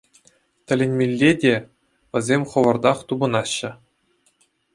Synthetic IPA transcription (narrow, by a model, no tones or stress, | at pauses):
t̪ʲɘ̆lʲenʲmʲelʲːedʲe | ʋʲɘ̆zʲemʲχɤ̆ʋɤ̆rd̪ɑχt̪ubɤ̆nɑɕːɘ̆